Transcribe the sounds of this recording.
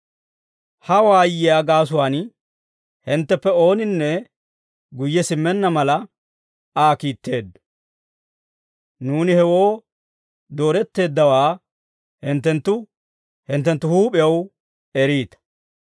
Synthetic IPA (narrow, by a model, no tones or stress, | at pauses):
hɐwaːjːɪjaːɡaːs̬ʊwaːn | hɪnt̪ːɛpːɛo̞ːnɪnːɛ | ɡʊjːɛsɪmːɛnːɐmɐlɐ | aːkiːt̪ːe̞ːd̪ːɐ | nuːnɪhɛwo̞ː | d̪o̞ːɾɛt̪ːe̞ːd̪ːɐwaː | hɪnt̪ːɛnt̪ːʊ | hɪnt̪ːɛnt̪ːʊhuːpʼɪjɐw | ɛɾiːt̪ɐ̥